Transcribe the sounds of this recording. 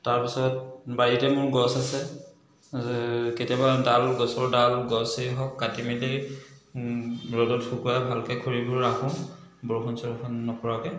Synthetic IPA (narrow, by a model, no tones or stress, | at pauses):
taɹpisɔt̚baɹitɛmʊɹɡɔsasɛ | ketijabadalɡɔsɔɹdalɡɔseɦɔkːatimide | ɹɔdɔtxukujabʱalkɛkʰoɹibɔɹakʰũ | bɔɹxɔnsɔkʰɔnːɔpɔɹakɛ